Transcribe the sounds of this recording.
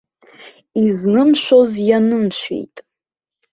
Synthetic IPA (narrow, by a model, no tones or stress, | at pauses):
iznɨmʃʷᶣo̞zjanɨmʃʷᶣḛjtʼ